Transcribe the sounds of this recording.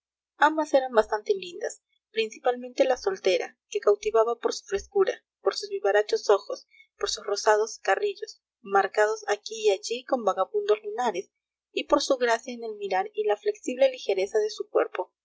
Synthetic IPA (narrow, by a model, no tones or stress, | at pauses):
ambase̞ɾambast̪ant̪elind̪as | pɾinsipalmẽnt̪e̞laso̞lt̪e̞ɾa̰ke̞kawt̪iβaβapo̞ɾsu̥fɾe̞skuɾa | po̞ɾsuzβiβaɾat͡ʃo̞so̞xo̞s | po̞ɾsusro̞sað̞o̞skariʎo̞s | maɾkað̞o̞sakiːaʝiko̞mbaɣaβũnd̪o̞zlunaɾe̞s | ipo̞ɾsuɣɾasjaene̞lmiɾaɾilafle̞ksiβle̞lixe̞ɾe̞saðe̞sukwḛɾpo̞